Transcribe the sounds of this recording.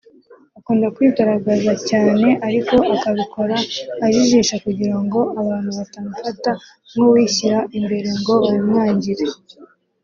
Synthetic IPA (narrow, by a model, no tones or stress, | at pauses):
akuːndakwiːɡaɾaɡazacaːne̞ʔaɾiko̞ʔakaβikʰo̞ɾaːʒiʒiːʃakuɟiɾaŋɡo̞aβaːn̥huβatamufata | muwiːçiɾaʔimbe̞ɾe̞ŋɡo̞βaɾimŋaːɲɟiɾe